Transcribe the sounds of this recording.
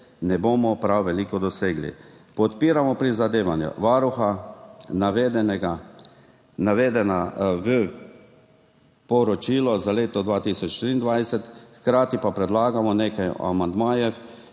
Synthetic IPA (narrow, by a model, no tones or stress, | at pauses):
nɛboːmɔpɾawʋɛliːkɔd̪ɔseːɡlḭpɔt̪piːɾamɔpɾizad̪eːʋanjṵʋaːɾuxanaʋed̪ɛnɛɡa | naʋeːd̪ɛnaʋə | pɔɾɔt͡ʃiːlɔzaleːt̪ɔd̪ʋaːt̪isɔt͡ʃʃt̪ɾiːnd̪ʋajsɛt̪xkɾaːt̪ipapɾɛd̪laːɡamɔneːkaja̰mand̪maːjɛ